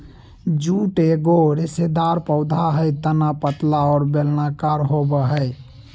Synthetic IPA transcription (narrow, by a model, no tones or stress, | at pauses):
d͡ʒuʈeɡoɾesed̪aɾpəʊd̪ʱaɦəjt̪ənapət̪laɔːɾbelnakaɾɦobəɦəj